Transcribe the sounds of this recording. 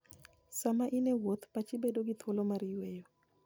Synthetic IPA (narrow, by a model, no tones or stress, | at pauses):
samaʔinewot̪pat͡ʃibedoɡɪt̪ʰwolomaɾɪjwejo